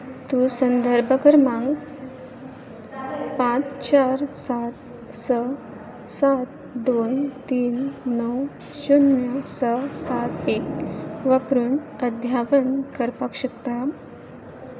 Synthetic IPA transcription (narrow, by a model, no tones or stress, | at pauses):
t̪usənd̪ʱəɾbʱəkəɾmãŋɡ | pãt͡st͡ɕaɾsat̪ | sə | sat̪ | d̪ont̪iːnːəw | ɕunjəsəsat̪ekʋəpɾuɳəd̪ʱjapənkəɾpakɕəkt̪a